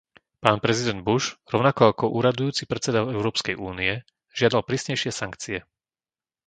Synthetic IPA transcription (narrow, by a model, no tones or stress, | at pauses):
paːnpɾɛzid̪ɛnd̪̚buʒɾɔʊnakɔakɔʔuːɾad̪ujuːt͡sipɾɛt͡sɛd̪aɛʊɾɔːpskɛjuːniɛ | ʒ̥ɪad̪alpɾiːsɲɛjʃɪɛsaŋkt͡siɛ